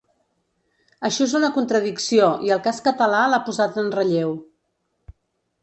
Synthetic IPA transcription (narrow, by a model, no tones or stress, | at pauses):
əʃɔezunəkunt̪ɾəðiksioiəlˠkaskət̪əlalapuzat̪ənrəʎew